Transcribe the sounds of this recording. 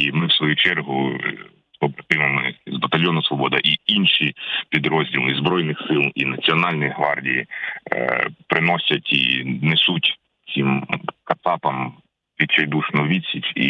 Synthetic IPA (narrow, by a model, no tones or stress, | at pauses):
imɪwsʋɔjut͡ʃɛrɦʊ | sɔpɾɐt̪ɪʋɐmɪzbɐt̪ɐlʲjɔnʊsʋɔbɔd̪ɐʔiinʃipʲid̪ɾɔzʲdʲilˠizbɾɔjnɪxsɪlˠinɐt͡sʲiɔnɑlʲnɔjiɦʋɑrdʲijḭ | pɾɪnɔsʲɐtʲḭnesutʲ | t͡sʲimkɐsɑpɐm | pʲit͡ʃɐjd̪uʃnɔʋʲit͡sʲit͡ʃʲḭ